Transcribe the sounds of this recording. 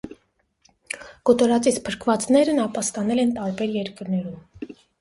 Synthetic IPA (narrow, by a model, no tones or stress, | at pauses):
kɔt̪ɔɾɑt͡sit͡sʰpʰəɾkʰvɑt͡snɛɾənɑpɑst̪ɑnɛlɛnt̪ɑɾbɛɾjɛɾkəɾnɛɾum